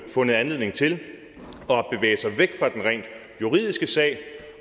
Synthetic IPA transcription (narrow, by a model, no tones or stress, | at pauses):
fɔ̽nð̩ˠænle̝ðˠne̝ŋt͡sʰe̝l | ɒ̽b̥e̝ʋḛːɪəsɑ̈ɪʋeɡ̥fʁɑ̈d̥enʁɛ̰nd̥ | juʁið̞̰ˠisɡ̥əsɛ̰ːɪ